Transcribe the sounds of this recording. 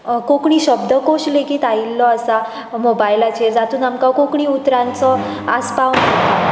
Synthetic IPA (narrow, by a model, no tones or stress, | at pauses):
kokɳiːɕəb̚d̪ʱəkoɕlekiːt̪ailːɔasa | mobajlat͡ɕeɾd͡zat̪uːnamkakokɳ̃iːut̪ɾãnt͡sɔ | aspawnaa